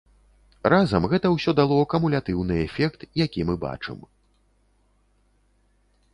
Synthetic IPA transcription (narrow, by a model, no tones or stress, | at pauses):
razɐmɣɛt̪ɐwsʲɔd̪alˠɔkɐmulʲat̪ɨwn̪ɨɛfʲɛkt̪jakʲimɨba̰t͡ʂɨ̰m